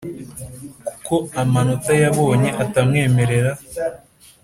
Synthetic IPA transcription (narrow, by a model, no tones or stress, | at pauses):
ku̥ko̞amanotajaβo̞ːɲe̞ʔatamŋe̞ːme̞ɾe̞ɾa